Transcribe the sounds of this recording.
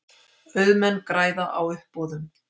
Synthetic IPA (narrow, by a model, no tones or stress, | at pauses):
œɥðmɛnːkɾaːjðaʔa̰wʏhpɔːðʏm